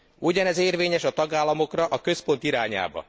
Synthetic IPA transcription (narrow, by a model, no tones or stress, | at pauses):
uɟɒnɛzeːrveːɲɛʃɒt̪ɒɡaːlːɒmo̞krɒʔɒkø̞spo̞nt̪iɾaːɲa̰ːbɒ̰